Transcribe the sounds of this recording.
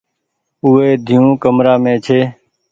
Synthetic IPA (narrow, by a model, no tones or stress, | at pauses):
uːeːd̪ʱijũːkəmɾaːmẽːt͡ʃʰeː